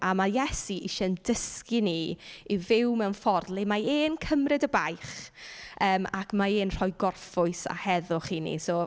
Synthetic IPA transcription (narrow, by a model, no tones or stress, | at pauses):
ʔamajɛsiʔɪʃɛndəskiniːivɪwmɛwnfɔrdlˠimaeːnkʰəmrɨdəbajχ | əːmakʰmaeːnr̥ɔjɡɔrfʊɨsa̰hɛðʊχiːnḭsoː